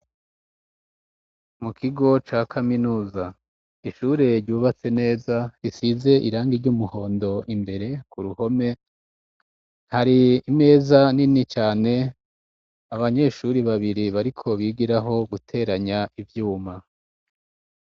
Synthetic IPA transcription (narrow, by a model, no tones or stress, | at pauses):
mukʰiɡo̞t͡ʃaːkʰaminuːza | iʃuːɾeɾɟuːβat͡se̞ne̞ːzaisize̞ʔiɾaːŋɡiɾɟumuho̞ːndo̞ʔimbe̞ɾe̞kuɾuho̞me̞ | haɾiːme̞ːzaninit͡ʃaːne̞ | aβaɲe̞ʃuɾiβaβiɾiβaɾikʰo̞βiɡiɾaɦo̞ɡutʰe̞ːɾaɲaivjuːma